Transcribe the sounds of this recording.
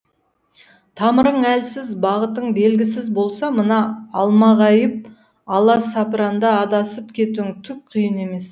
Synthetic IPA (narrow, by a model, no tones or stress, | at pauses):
t̪ʰɑməɾəɴælsɪzbɑʁət̪əɴbe̞lɡʲɪsɪzbo̞lˠsɑmənɑːlˠmɑʁɑjəp̚ | ɑlˠɑsɑpɾɑnd̪ɑːd̪ɑsəpkʲʰe̞t̪uɪŋt̪ʰʏk̚qʰijəne̞me̞s